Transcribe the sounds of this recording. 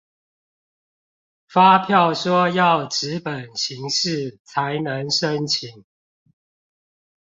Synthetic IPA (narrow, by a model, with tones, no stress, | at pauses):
fa˦pʰjɑ˥˨ʊʂwɔ˦jɑ˥˨ʊʈ͡ʂɻ̩˨˦pə˨˩nt͡ɕʰi˨˦ŋʂɻ̩˥˨t͡sʰa˨˦ɪnə˧˦ŋʂə˦ŋt͡ɕʰi˨˦ŋ